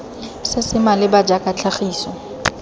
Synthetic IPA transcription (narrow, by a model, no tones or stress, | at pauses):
sɪsɪmalɪbad͡ʒakʼat͡ɬʰaχiːsɔ